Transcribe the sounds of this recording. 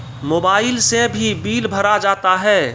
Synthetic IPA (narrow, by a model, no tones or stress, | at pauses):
moːbaːɪlsebʱibiːlbʱəɾad͡ʒaːt̪aɦɛː